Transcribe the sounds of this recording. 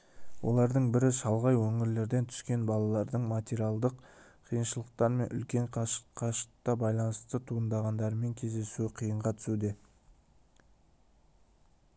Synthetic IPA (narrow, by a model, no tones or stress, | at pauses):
wʔo̞̰lˠɑɾd̪əɴbɪɾɪʃɑlˠʁɑjwɵŋɪɾle̞ɾd̪e̞nt̪ʰʏ̥skʲe̞nbɑlˠɑlˠɑɾd̪əɴmat̪ʲeɾijalˠd̪əq | qʰijənʃəlˠəq̚t̪ɑɾme̞nʔʏ̰lkʲe̞ɴqʰɑʃə̥qt̪ɑbɑjlˠɑnəst̪ət̪ʰuənd̪ɑʁɑnd̪ɑɾəme̞ŋkʲʰe̞zd̪e̞suɪqʰijəɴʁɑt̪ʰʏ̥sud̪e̞